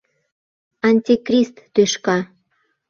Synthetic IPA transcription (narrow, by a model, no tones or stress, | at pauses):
ɑnʲt̪ʲikrʲist̪ːøʃkɑ